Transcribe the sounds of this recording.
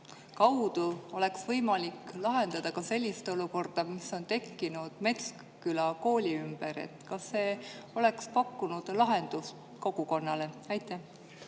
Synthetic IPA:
kɑwd̪̥uo̞le̞ksvɤjmɑlikːlɑɦe̞nd̪̥ɑd̪̥ɑkɑse̞lʲːist̪o̞luko̞rd̪̥ɑmiso̞nt̪e̞kːinud̪̥me̞t̪sk | kylɑko̞ːlʲiymb̥eɾḛt̪kɑsːe̞ːo̞le̞kspɑkːunud̪̥lɑɦe̞nd̪̥us | ko̞ɡ̥uko̞nːɑle̞ɑjt̪ːˑæh

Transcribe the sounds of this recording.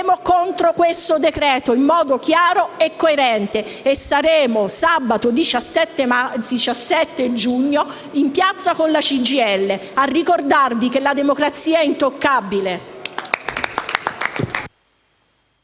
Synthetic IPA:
mokont̪ɾokwest̪od̪ekɾɛːt̪oimːɔːd̪ok̟jaːɾoekːoeɾɛnt̪e | esːaɾeːmosabat̪od̪it͡ʃasːɛt̪ːemait͡ʃasːɛt̪ːed͡ʒuɲːo | impjat̪sːakonlat͡ʃid͡ʒiɛlːearːikord̪arvik̟elad̪emokɾat̪sːiːaɛint̪okːabile

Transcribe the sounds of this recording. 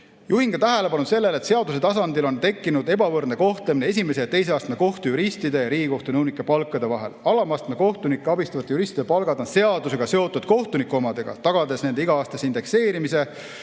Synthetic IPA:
juɦiŋɡ̥ɑt̪æɦæle̞pɑnud̪se̞lːe̞le̞t̪seɑd̪use̞t̪ɑs̬ɑnd̪ilo̞nt̪e̞kːinud̪e̞bɑvɤrd̪ne̞ko̞ht̪lemineesʲime̞sejɑt̪e̞js̬eɑːst̪meko̞ht̪ujuɾisʲt̪id̪e̞jɑɾiːɡiko̞ht̪onɯwnikːˑepɑlkːˑɑd̪̥e̞vɑɦe̞̰lɑlɑmɑst̪meko̞ht̪unikːˑeɑbist̪ɑvɑt̪ːˑejuɾisʲt̪id̪epɑlɡ̥ɑd̪o̞nse̞ɑd̪use̞ɡ̥ɑse̞o̞t̪ːˑud̪̥ko̞ht̪unikuo̞mɑd̪̥e̞ɡ̥ɑ̰t̪ɑɡ̥ɑd̪e̞sne̞nd̪eiɡ̥ɑɑːst̪ɑsind̪e̞kse̞ːɾimise̞

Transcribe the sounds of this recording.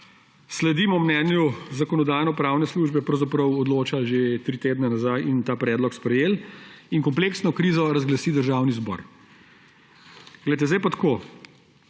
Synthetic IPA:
slɛd̪iːmɔmnɛːnjuzakɔnɔd̪aːjnɔpɾawnɛsluːʒbɛpɾəwzapɾəwɔd̪loːt͡ʃaʒet̪ɾiːt̪eːd̪nɛnazajint̪aːpɾɛːd̪lɔkspɾɛjeːliŋkɔmpleːksnɔkɾiːzɔɾazɡlasiːd̪əɾʒawnizbɔ̰ɾ | ɡlɛjt̪̬ɛzd̪ajpat̪ḁkoː

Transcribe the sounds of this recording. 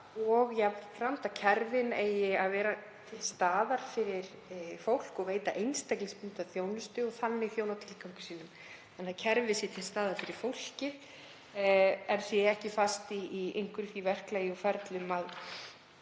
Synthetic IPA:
ɔɣjɛafɾam̥t̪acʰɛɾvɪneːjɪaðvɛːɾa | t̪ʰɪlst̪aːðaɾ̥fɪɾɪɾ | fowl̥kɔɣveːjt̪aʔejnst̪ɛjklɪŋspun̥t̪aðθjoːwnʏst̪ʏɔθanːɪiθjoːwnawt̪ʰɪlkawŋkʏ̥siːnʏm | θanːacʰɛɾvɪsjɛt̪ʰɪlst̪aːðaɾfɪɾɪɾ̥fowl̥cɪ | ɛnθjɛɛɾɛhcɪfast̪iːejŋkʏɾθivɛr̥klaːjɪɔfɛɾt̪lʏmað

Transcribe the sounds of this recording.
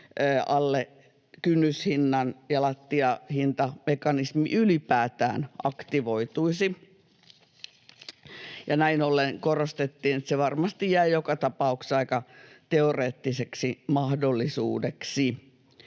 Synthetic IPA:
əːɑlːe | kynːyshinːɑnjɑlɑt̪ːiɑhint̪ɑmekɑnismḭʔylipæːt̪æ̰ːnʔɑkt̪iʋoit̪uisi | jɑnæinolːenkorost̪et̪ːiːnet̪seʋɑrmɑst̪ijjæijokɑt̪ɑpɑukseɑikɑt̪eoreːt̪ːiseksimɑhdolːisṵːdeksi

